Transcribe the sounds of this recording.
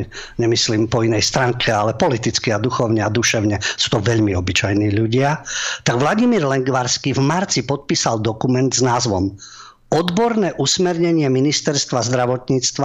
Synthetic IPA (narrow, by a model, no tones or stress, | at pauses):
ɲɛmisliːmpɔinɛjst̪ɾaŋkʰɛalɛpɔlit̪it͡skiad̪uxɔʊɲɛad̪uʃɛʊɲɛsu̥ːt̪ɔʋɛʎmiɔbit͡ʃajniːʎuɟɪat̪aɡʋlaɟimiːɾlɛŋɡʋaɾskivmaɾt͡sipɔt̪̚piːsald̪ɔkumɛnd̪znaːzʋɔm | ɔd̪bɔɾnɛːʔusmɛɾɲɛɲɪɛminist̪ɛɾst̪ʋazd̪ɾaʋɔt̪ɲiːt͡st̪ʋa